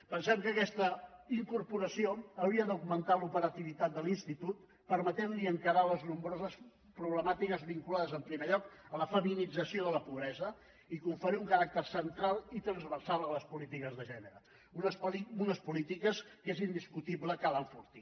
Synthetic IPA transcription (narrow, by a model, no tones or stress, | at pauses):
pənsɛmkəːkɛst̪əiŋkuɾpuɾəsioəwɾiəd̪uɣmənt̪alupəɾət̪iβit̪at̪̚d̪əlinst̪it̪ut̪ | pəɾmət̪ɛnliəŋkəɾaləznumbɾozəs | pɾuβ̞ləmat̪ikəzβiŋkulaðəzəmpɾimeʎɔkələfəminid͡zəsioðələpuβɾɛzə | ikuɱfəɾiuŋkəɾak̚t̪əɾsənt̪ɾalˠit̪ɾənzβərsalˠləspulit̪ikəzðəʒɛnəɾə | unəsliunəspulit̪ikəskezind̪iskut̪ibləkalaɱfuɾt̪i